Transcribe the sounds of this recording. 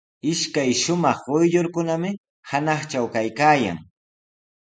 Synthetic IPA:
ɪʃkajʃʊmɑχʊjʎoɾkʊnamɪ | hanɑχt͡ʃawkajkaːja̰ŋ

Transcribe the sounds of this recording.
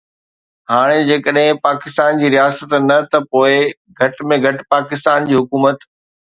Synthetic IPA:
ɦaːɽ̃ed͡ʑeːkəɗɦɪ̃paːkɪst̪aːnd͡ʑiːɾijaːsət̪nɐt̪ɐpoːɪ | ɡʱɐʈmẽɡʱɐʈpaːkɪst̪aːnd͡ʑiːɦʊkuːmət̪

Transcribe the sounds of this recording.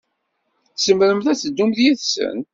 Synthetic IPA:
θsəmɾəmθæt͡sːəd̪ːumðjiðsə̰n

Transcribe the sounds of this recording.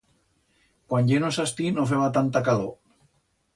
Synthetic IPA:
kwanʎenosast̪inofeβat̪ant̪akaðo

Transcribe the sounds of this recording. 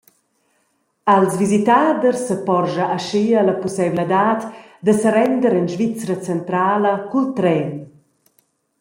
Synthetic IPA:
alzvizit̪aːd̪ərsəpɔrʒaʔːʃiəlapusɛbləd̪aːt̪ | d̪əsəɾɛnd̪əɾənʒvit͡sɾət͡sənt̪ɾaːləkult̪ɾɛn

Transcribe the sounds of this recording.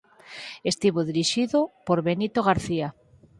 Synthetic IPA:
est̪iβoðiɾiʃiðopoɾβenit̪oɣ̞aɾθia

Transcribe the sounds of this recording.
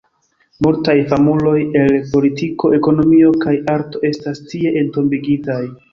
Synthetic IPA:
multajfamulo̞je̞lpo̞litiko̞ʔe̞ko̞no̞mio̞kajaɾto̞e̞stastie̞ʔento̞mbiɡitaj

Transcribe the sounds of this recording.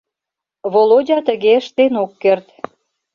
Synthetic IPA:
βolodʲɑt̪əɣeəʃt̪enokːert̪

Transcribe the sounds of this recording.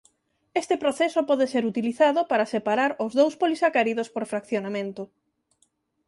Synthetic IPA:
est̪epɾoθesopɔðeseɾut̪iliθaðʊpaɾasepaɾaɾozðowspolisakaɾiðospoɾfɾakθjonamẽnt̪ʊ

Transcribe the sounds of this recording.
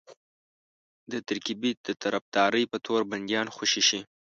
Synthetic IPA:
d̪ət̪aɾkibid̪̥ət̪aɾafd̪ɑɾəjpət̪ʰoɾband̪jɑnxoʃiʃi

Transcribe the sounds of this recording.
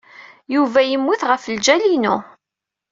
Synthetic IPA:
juvæjəmːuθʁəfld͡ʒælinu

